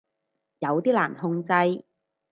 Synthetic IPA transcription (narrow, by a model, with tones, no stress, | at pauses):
jɐ˨˧wt̪iː˥la̰ː˨˩nhʊ˧ŋt͡sɐ˧j